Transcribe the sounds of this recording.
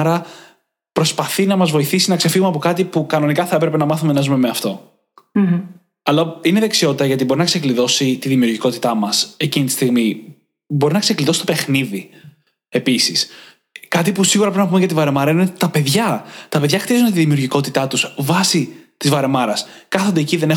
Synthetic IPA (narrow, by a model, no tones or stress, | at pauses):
ɾɐ | pɾo̞spɐθinɐmɐzvo̞iθisinɐkse̞fiɣumeɐp̬o̞kɐt̪ipukɐno̞nikɐθɐe̞pɾe̞pe̞nɐmɐθume̞nɐzume̞meɐft̪o̞ | ɐlɐine̞ðe̞ksio̞t̪it̪ɐʝɐt̪ibo̞ɾinɐksekliðo̞sit̪iðimiuɾʝiko̞t̪i̥t̪ɐmɐse̞cinit̪i̥st̪iɣmi | bo̞ɾinɐksekliðosi̥st̪opexniði | e̞pisis | kɐt̪̬ipusiɣuɾɐpɾinɐpumeʝɐt̪ivɐɾe̞mɐɾɐinet̪ɐpe̞ðʝɐt̪ɐpe̞ðʝɐxt̪iɐzund̪t̪iðimiuɾʝiko̞t̪it̪ɐt̪usvɐsit̪izvɐɾe̞mɐɾɐskɐθond̪eːciðene